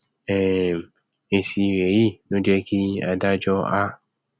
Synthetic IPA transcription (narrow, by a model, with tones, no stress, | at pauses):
ɛ˦˨ | e˨si˨˧ɾe˨˦ji˦˨nõ˦dɛ˦kʰi˦a˧da˦d͡ʒɔ˦a˦